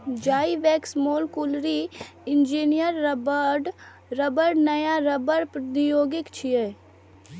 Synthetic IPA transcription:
d͡ʒaːiʋeːksmoːlkʊlɾi | ɪnd͡ʒiːnijəɾːbɖ | ɾəbəɽnɐjaɾəbəɽpɾd̪ijoːɡɪkt͡ʃʰijeː

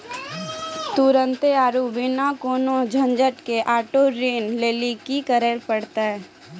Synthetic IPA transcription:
t̪ʊɾə̃nt̪eaːɾubɪnakoːnod͡ʒʱə̃ɲd͡ʒəʈkeʔaːʈoɾeːnleːlikikəɾəɾpəɽt̪aɦɛ

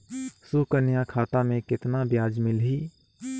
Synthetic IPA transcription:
sukənjakʰaːt̪amẽkɪt̪nabjaːd͡ʒmɪlɦiː

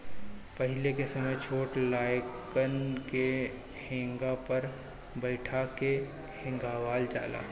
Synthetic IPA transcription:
pəɦɪlekesɐməjt͡ʃʰoːʈlaːjkənke | hẽːŋɡapəɾ | bəɪʈʰake | hẽːŋɡaʋaːld͡ʒa̰ːla̰ː

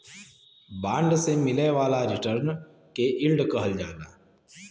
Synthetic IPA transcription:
bãːɳɖsemɪleʋaːlaɾɪʈəɾn | keʔɪlɖkəɦəld͡ʒaːnaː

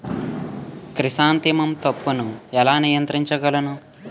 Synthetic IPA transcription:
kɾisaːnt̪imɐmt̪ɐpːunuɛlaːnijɐnt̪ɾiɲt͡ʃɐɡɐlɐnu

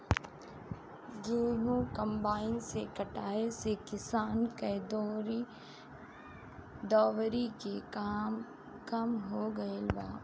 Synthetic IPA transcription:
d͡ʒeːɦũkɐ̃mbaːɪnsekɐʈaːesekɪsaːnked̪ɾ | d̪ɔːʋɾikeaːm | kɐmɦoɡɐelbaː

